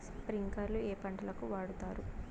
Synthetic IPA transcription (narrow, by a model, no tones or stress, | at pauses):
spɾiŋkɐɾlueːpɐɳʈɐlɐkuʋaːɽut̪aːɾu